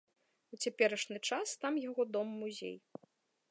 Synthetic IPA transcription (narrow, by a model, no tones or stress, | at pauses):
ut͡sʲapʲɛɾɐʂnʲɨt͡ʂast̪amjaɣɔd̪ɔmːuzʲḛj